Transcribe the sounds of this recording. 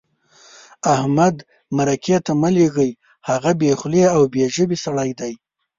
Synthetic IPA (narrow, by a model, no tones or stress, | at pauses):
ahmad̪ | maɾaket̪aməleɣəj | haɣabexleawbeʒəbesaɽajd̪aj